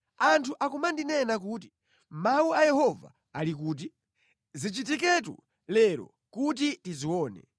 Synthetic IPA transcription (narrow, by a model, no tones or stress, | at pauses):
antʰuʔakumandinɛnak̬uːt̬i̥ | mauajɛhɔva̰ | alik̬uːt̬i | zit͡ʃitik̬ɛtṵ | lɛɾɔ̰ | kut̬itiziwɔːnɛ̰